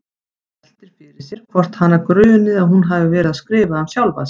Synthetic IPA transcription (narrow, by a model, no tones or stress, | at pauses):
lɛl̥t̪ɪɾ̥fɪːɾɪsjɛɾ̥kʰvɔr̥t̪hanːakɾœːɥnːɪðaðɦunɦavɪvɛːɾɪðaskɾɪːvahamsjawlva̰s